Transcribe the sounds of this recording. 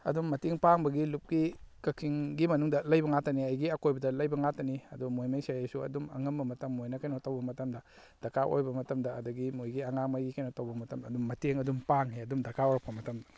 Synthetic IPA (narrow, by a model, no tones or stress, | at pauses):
ɐ̰dummɐteŋpaŋbɐɡilup̚ɡikɐkʰiŋɡimɐnuŋdɐlɐjbɐŋatɐniɐjɡiɐkojbɐdɐlɐjbɐŋatɐniɐdumojmajsajajsuɐ̰dumɐ̰ŋɐmbɐmɐtɐmːojnɐkajnotɐwbɐmɐtɐmdɐ | d̥ɐkʰaʔo̰jbɐmɐtɐmdɐːduɡimojɡiɐŋaŋmajɡikajnotɐwbɐmɐtɐmɐːdumːɐteŋɐdumpaŋɦeɐdumdɐkʰaoɾpʰːɐmɐtɐmdɐ